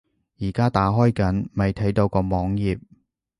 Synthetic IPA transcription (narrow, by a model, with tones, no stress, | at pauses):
jiː˨˩kaː˥t̪aː˨˥ɦɔː˥jkɐ˨˥nmɐ˨jt̪ʰɐ˨˥jt̪o˧wkɔː˧mɔː˨˥ŋjiː˨p̚